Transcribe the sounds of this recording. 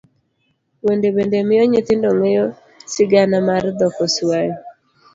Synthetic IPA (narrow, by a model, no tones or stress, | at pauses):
wendebendemɪjɔɲɪt̪ɪndɔŋejo | sɪɡanamard̪ɔkɔswajɔ